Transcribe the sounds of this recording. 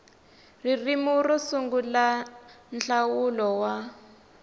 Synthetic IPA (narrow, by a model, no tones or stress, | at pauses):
ririmurɔsuŋɡula | nɬawulɔwa